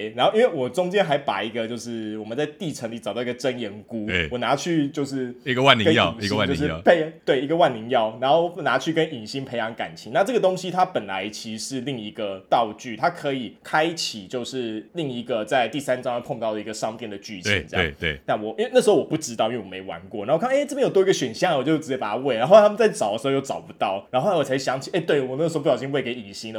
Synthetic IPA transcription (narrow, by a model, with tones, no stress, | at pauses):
ɻa˧nxo˥˧i˦nwe˥˩ɪwɔ˨˩ʈ͡ʂʊ˥ŋt͡ɕjɛ˥nxa˧˥ɪpa̰˨˩i˧˥ɡə˧t͡ɕjo˥˧ʊʂɻ̩˥˩wɔ˨˩mə˦nt͡sa˥˧ɪt̪i˥˩ʈ͡ʂʰə˧˥ŋli˧˩t͡st̪ɑ˥˩i˧˥ɡə˨˧ʈ͡ʂə˦˥njɛ˧˥nku˦˥˩wɔ˨˩na˧˥t͡ɕʰy˥˧t͡ɕjo˥˧ʊʂɻ̩˥˧i˧˦ɡə˧wa˥˨ni˧ə˥ɑ̰˥˨˥wa˥˨jo˧ʂ̬̩˥˧˨pe˥˩ɪt̪we˥˩ɪi˧˥ɡə˧wa˥˩nli˧˥ŋjɑ˥˩ʊɻa˧˥nxo˥˩ʊwna˧˥t͡ɕʰy˥˩kə˦ni˨˩ŋɕi˥npʰe˧ɪjɑ˧˥ŋka̰˨˩nt͡ɕʰi˧˦ŋna˥˧ʈ͡ʂɤ˥ɡə˩t̪o˥ŋɕi˦t̪ʰa˥pə˨˩nla̰˧˦ɪt͡ɕʰi˧˥ʂɻ̩˥˧li˥˩ŋi˧˥ɡə˧˨t̪ɑ˥˧ʊt͡ɕy˥˩t̪ʰa˦˥kʰɤ˧˦i˨˩kʰa˦˥ɪt͡ɕʰi˨˩t͡ɕjo˥˧ʊʂɻ̩˥˧li˥˩ŋi˧˥ɡə˨t͡sa˥˧ɪt̪i˥˩sa˥˦nʈ͡ʂɑ˥˦ŋɛ˥˧pʰo˥˧ŋt̪ɑ˥˩ʊd̪ə˩i˧ɡə˨ʂɑ˥ŋt̪jɛ˥˩nd̪ə˩t͡ɕy˥˩t͡ɕʰɛ̰˨˧˦nt͡sə˥˧j̰na˥˩nwɔ˨˩i˥we˥ɪa˥˩ʂ̩˧xo˥ʊwɔ˨˩pu˥˩ʈ͡ʂɻ̩˥t̪ɑ˥˨i˥we˥˧˩me˧˥ɪwa̰˧˦nkwɔ˥˩na˧˥o˥˧kʰːʈ͡ʂɤ˥˩pjjo˨˩t̪wɔ˥˧ɡə˧ɕɥɛ˨˩nɕjɑ˥˩ŋwɔ˨˩t͡ɕo˥˧˩ʈ͡ʂɻ̩˧˥t͡ɕɛ˥˩pa˨˩a˥we˥˩ɪna˧nxo˥˩˧t̪ʰm˨nt͡sa˥˩ɪʈ͡ʂɑ˨˩ʊd̪ə˩ʂ̩˧˥o˧jo˥ʊʈ͡ʂɑ˨˩ʊpu˧˦t̪ɑ˥˩ʊna˧nxo˥˩˧a˥˩wʰa˥ɪʂɕjɑ˧˦ŋt͡ɕʰi˨˩e˥˩t̪we˥˩ɪwɔ˨˩nə˥˩ʂ̬̩˧o˧pu˥˩ɑ˨˩ɕi˥˧we˥˩ke˧˥ɪi˨˩ŋɕi˧˥nə˨